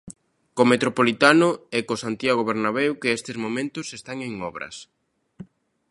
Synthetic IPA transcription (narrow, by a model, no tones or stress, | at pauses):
komet̪ɾopolit̪anʊɛkosant̪jaɣoβeɾnaβewkɪest̪ɪzmomẽnt̪ʊsest̪aŋeŋɔβɾɐ̰s